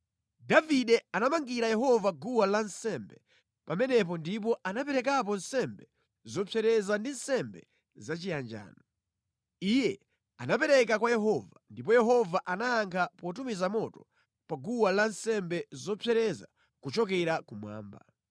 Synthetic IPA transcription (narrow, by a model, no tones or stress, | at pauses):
daviɗɛanamaŋɡiɾajɛɦɔvaɡuwalansɛmbɛ | pamɛnɛp̬ɔndip̬ɔʔanapɛɾɛkap̬ɔnsɛmbɛ | zɔpʰɛɾɛzandin̩sɛmbɛ | zat͡ʃijand͡ʒa̰ːnɔ | ijɛ | anapɛɾɛk̬akwajɛɦɔvandip̬ɔjɛɦɔvaʔanaːŋkʰapɔt̬umizamɔtɔ̥ | paɡuwalansɛmbɛzɔpʰɛɾɛza̰ | kut͡ʃɔkɛɾakumwa̰ːmba̰